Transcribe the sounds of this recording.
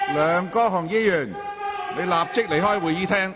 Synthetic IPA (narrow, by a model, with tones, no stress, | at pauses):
lœː˨˧ŋkɔː˥ɦɔː˨˩ŋjiː˥jœː˨˩ŋ | ne˨˧jlaː˨p̚t͡sɪ˥k̚le˨˩jɦɔː˥jwuː˨˧jiː˨˥t̪ʰɛː˥ŋ